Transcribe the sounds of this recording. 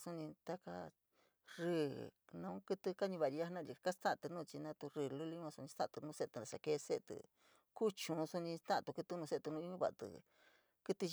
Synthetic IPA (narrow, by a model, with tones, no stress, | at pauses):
su˧nĩ˧t̪a˦ka̰˧ | rɨː˧˨nã˧ũ˦kɨ˧t̪ɨ˧ka˦ɲĩ˧βa˨˧i˧a˦hnã˦˧i˧ka˦st̪ã˦ʔt̪ɨ˧nũː˦˧t͡ʃi˧nã˧t̪u˧ɾɨː˧˨lu˦li˧˦˧ã˧su˧nĩ˧t̪ã̰˦ʔt̪u˧nũ˦se˦˧t̪ɨ˧a˨ʂa˧ke˧se˦ʔt̪ɨ̰˧˨ | ku˦t͡ʃũ˨˧su˧nĩ˧st̪ã˦˨t̪u˧kɨ˧t̪u˧nũ˧se˦˧t̪u˧nũː˧˦i˦ɲũ˦βa̰˧˨˧t̪ɨ̰˧ | kɨ˦t̪i˧